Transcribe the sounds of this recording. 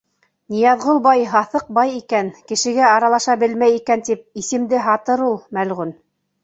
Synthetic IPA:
nĭjɑðʁɤlˠbɑjɦɑθɤq̚bɑjikænkɘ̆ʃɘ̆ɡæɑɾɑlˠɑʃɑbɘlmæjikænt̪ip̚isɘ̆md̪ɘɦɑt̪ɤɾulˠmælʁʉn

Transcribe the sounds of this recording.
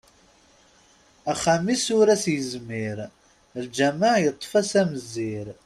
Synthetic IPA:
æχːæmisʊɾæsjəzmiɾ | ld͡ʒæmaʕjət̪ˤːfæsæməzːiɾ

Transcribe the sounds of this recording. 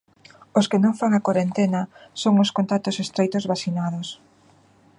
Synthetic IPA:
oskɪnõŋfaŋakwaɾent̪enasoŋoskont̪at̪ʊsest̪ɾejt̪ozβasinað̞os

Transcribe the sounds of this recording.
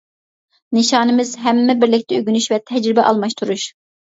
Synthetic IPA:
nɨʃɑːnɨmɪzɦɛmːɛbɪɾlɪk̚ʲt̪ʰɛyɡʲynyʃvɛt̪ʰɛd͡ʒɾɪbɛʔɑlˠmɑʃt̪ʰuɾuʃ

